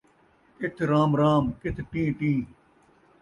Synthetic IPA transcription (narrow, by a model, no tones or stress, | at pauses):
kɪt̪ʰɾaːmɾaːmkɪt̪ʰʈĩːʈĩː